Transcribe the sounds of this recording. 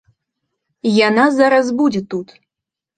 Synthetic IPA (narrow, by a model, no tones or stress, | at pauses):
janazaɾɐzbud͡zʲɛt̪ut̪